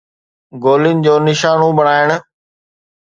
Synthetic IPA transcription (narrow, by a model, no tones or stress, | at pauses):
ɡoːlɪnɪ̆d͡ʑoːnɪʃaːnũɓɐɽ̃aːɪɽ̃ʊ̆